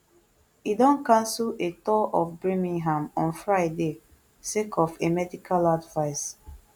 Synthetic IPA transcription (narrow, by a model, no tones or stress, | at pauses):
idɔ̃nkãnsletɔʔɔfbɹemĩŋɦãmɔ̃nfɹaɪde | sekʰɔfemɛdikʰaladvaɪs